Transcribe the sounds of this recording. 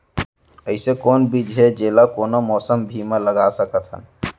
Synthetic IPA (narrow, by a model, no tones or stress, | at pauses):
əɪsekonbid͡ʒɦed͡ʒelakonomɔsəmbʱimẽləɡasəkət̪ʰɦə̰n